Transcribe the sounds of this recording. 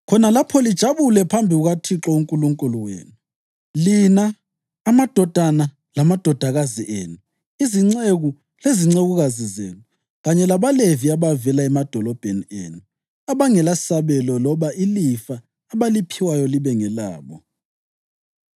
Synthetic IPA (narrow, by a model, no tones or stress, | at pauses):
kʰɔnalapʰɔlid̥ʒ̥ʱaβulɛpʰambʱiuɣatʰiǁɔuŋkʼuluŋkʼuluwḛːnu | linaː | mad̥ʱɔd̥ʱana | lamad̥ʱɔd̥ʱaɣaziʔeːnu | iziŋ͡ǀeɣu | leziŋ͡ǀeɣuɣazizḛːnu | ɣaɲɛlaβaleviaβavɛlaɛmad̥ʱɔlɔb̥ʱeniḛːnu | aβaŋɛlasaβɛlɔlɔβaʔilifaː | βalipʰiwajɔliβɛŋɛla̰ːβɔ̰